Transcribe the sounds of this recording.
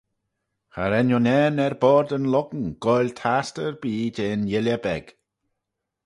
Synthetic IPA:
xa̰ɾɛnɔnɛːnɛɹbɔːɾd̪ənlɔɡənɡ̥ɔjlʲt̪ʰastəɹbiːdeːnjɪljəbɛɡ̥

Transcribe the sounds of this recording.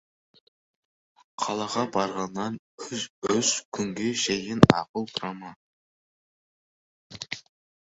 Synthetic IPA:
qʰɑlˠɑʁɑbɑɾʁɑnːɑn | ɵskʲʰʏŋɡʲe̞ʃejɪnɑ̰qəlˠt̪ʰɾɑmɑ

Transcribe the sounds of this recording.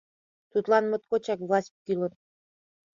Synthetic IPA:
t̪ut̪lˠɑnmɤ̆t̪kot͡ɕɑkvlˠɑsʲp̚kilˠɤn

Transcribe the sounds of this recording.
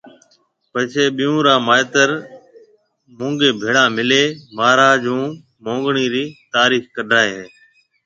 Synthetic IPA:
pəɦt͡ʃʰeːɓɪjũːɾãːmaːɪt̪əɾ | mũːŋɡeːbʱeːɽãːmɪleːmaːɾaːd͡ʒũː | mõːŋɡɳiːɾiːt̪aːɾiːxkəɖʱaːeːɦeː

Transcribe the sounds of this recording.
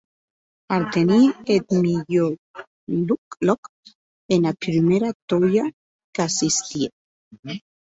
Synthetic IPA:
aɾt̪eniet̪miʎo | luklɔk | enapɾimeɾat̪oja | kasist̪ie

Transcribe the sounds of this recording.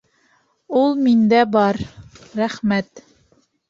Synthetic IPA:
ulˠmind̪æbɑɾɾæχmæt̪

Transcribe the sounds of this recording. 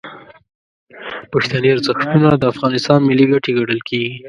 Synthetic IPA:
pəxt̪aniaɾzəxt̪unad̪əafɣɑnɪst̪ɑnmɪlːiɡaʈeɡaɽəlkʰeɡi

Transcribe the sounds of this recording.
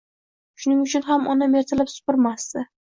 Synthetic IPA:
ʃʊnɪŋʊt͡ʃʰʊnɦamɒnameɾt̪ʰɪlapsʊ̥pɪɾmast̪ɪ

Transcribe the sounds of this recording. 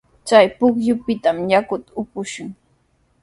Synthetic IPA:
t͡ʃajpʊkjʊpɪt̪amjakʊt̪ʊpʊʃʊŋ

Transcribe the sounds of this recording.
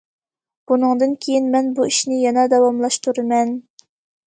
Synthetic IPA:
b̥unɨŋd̪ɨnkʲʰejinmɛnbuiʃnɪjɑnɑd̪ɑwɑmlˠɑʃt̪uɾɨmɛn

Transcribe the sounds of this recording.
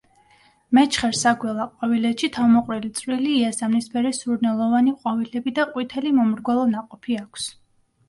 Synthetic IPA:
mɛt͡ʃʰχɛɾsaɡwɛlˠaqʼwavilɛt̪ʃit̪ʰavmɔqʼɾilit̪sʼɾiliːasamnispʰɛɾisuɾnɛlˠɔvaniqʼwavilɛbid̪aqʼwit̪ʰɛlimɔmɾɡwalˠɔnaqʼɔpʰiakʰs

